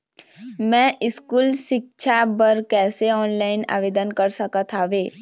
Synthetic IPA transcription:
mɛ̃ːʔɪskuːlʃɪk̚t͡ʃʰabəɾkɛːseɔːnlaːɪna̰ːʋeːd̪ənkɐɾsɐkat̪ʰaːʋeː

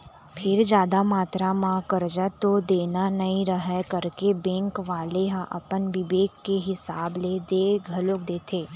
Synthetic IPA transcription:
pʰɪɾd͡ʒjaːd̪amaːt̪ɾamãkəɾd͡ʒat̪od̪eːnanɐɦĩɾəɦəkəɾkebɛ̃ːŋkʋaːleɦãʔɐ̰pənʋɪʋeːkːeɦɪsaːbleːd̪eːɡʱɐlok̚d̪eːt̪ʰeː

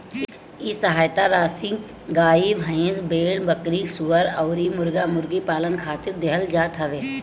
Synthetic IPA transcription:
isɐɦaːjt̪aɾaːsi | ɡaːibʱɐ̃ẽːzbeːɽbəkɾiːsʊʋəɾɔːɾiːmʊɾɡamʊɾɡipaːlənkʰaːt̪ɪɾd̪eɦəld͡ʒaːt̪ʰɐʋeː

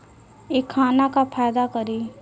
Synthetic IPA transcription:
jekʰːaːnakapʰaːd̪akɐɾiː

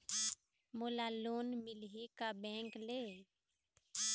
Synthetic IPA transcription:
mulaloːnmɪlɦikabɛ̃ːŋkle

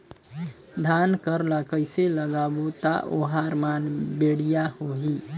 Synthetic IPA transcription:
d̪ʱankəɾlakəɪseləɡabot̪a̰ʔo̰ɦaɾmanbeɽijahoɦi

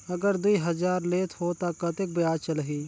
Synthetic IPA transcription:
ɐɡəɾd̪uiɦəzaːɾleːt̪ʰhoːt̪akət̪ek̚bəjaːt͡ʃəlɦiː

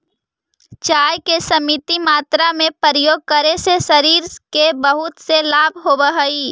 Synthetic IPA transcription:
t͡ʃaːjkesɐmit̪imaːt̪ɾamẽpəɾəjoːɡ̚kəɾesesɐɾiːɾkebɐɦʊt̪selaːbʱɦobəɦəiː

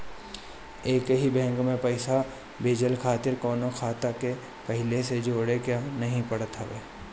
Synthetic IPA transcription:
eːkɦibɛ̃ːŋkmẽpɐɪsa | beːd͡ʒəlkʰaːt̪ɪɾkɔːnõkʰaːt̪ake | pɐɦɪlesed͡ʒoːɽekjanɐɦĩpɐɽət̪ɦəʋḛː

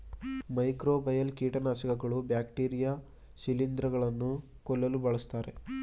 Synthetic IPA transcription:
mɐjkɾoːbɐjɐlkiːʈɐnaːʃɐkɐɡɐɭubjaːkʈiːɾijaː | silind̪ɾɐɡɐɭɐnːu | kɔlːɐlubɐɭɐst̪aːɾe̞̰

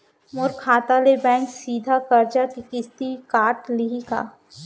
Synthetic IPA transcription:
mʊɾkʰːaːt̪alebɛ̃ːŋksiːd̪ʱakɐɾt͡ʃakikɪst̪ikaːɾʈliɦika̰ː

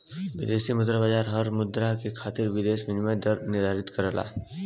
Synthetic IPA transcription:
ʋɪd̪eːsimʊd̪ɾabad͡ʒaːɾɦɐɾmʊd̪ɾakekʰaːt̪ɪɾʋɪd̪eːʃʋɪnmə̃d̪əɾnɪɾd̪ʱaːɾɪt̪kɐɾəla̰ː

